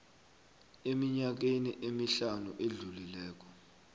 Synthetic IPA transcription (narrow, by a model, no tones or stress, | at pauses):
emiɲak̬eniʔemiɬanuʔeɮulilɛːk̬ɔ̥